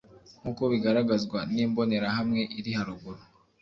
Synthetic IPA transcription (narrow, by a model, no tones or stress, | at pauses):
ŋuko̞βiɡaɾaɡazɡwaniːmbo̞ne̞ɾahamŋe̞ʔiɾihaɾuɡuɾo